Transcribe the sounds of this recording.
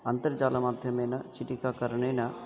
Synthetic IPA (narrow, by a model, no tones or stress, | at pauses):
ɐnt̪ɐɾd͡ʒaːlɐmaːd̪ʱjɐmeːnɐt͡ʃiʈikaːkɐɾɐɳeːnɐ